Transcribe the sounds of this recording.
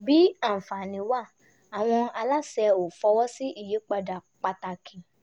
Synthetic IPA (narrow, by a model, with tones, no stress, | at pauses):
bi˨˦a˦˨m̩˨fa˨nĩ˧˦wa˦˨ | a˨w̃ɔ̃˧a˧la˦sɛ˧o˨fɔ˧wɔ˦si˦ʔi˦˨je˨˦k͡pa˧da˨k͡pa˧ta˧˨kʰĩ˨